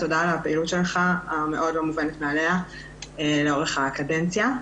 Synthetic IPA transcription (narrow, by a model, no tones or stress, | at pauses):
t̪o̞daːlapeilut̪ʃelχaame̞ʔo̞dlomuvenet̪mealea | eleo̞ʁeχakadent͡sja